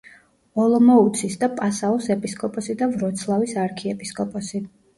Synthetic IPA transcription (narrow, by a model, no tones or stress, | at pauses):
ɔlˠɔmɔut̪sʰisd̪apʼasaɔsɛpʼiskʼɔpʼɔsid̪avɾɔt̪sʰlˠavisaɾkʰiɛpʼiskʼɔpʼɔsi